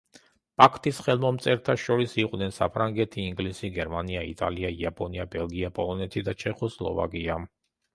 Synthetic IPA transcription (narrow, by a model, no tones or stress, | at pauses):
pʼakʰt̪ʼisχɛlˠmɔmt̪sʼɛɾt̪ʰaʃɔɾisiqʼwnɛnsa̰pʰɾaŋɡɛt̪ʰiːŋɡlisiɡɛɾmaniaḭt̪ʼa̰liaiapʼɔniabɛlˠɡiapʼɔlˠɔnɛt̪ʰid̪at͡ʃʰɛχɔslˠɔ̰va̰kʼia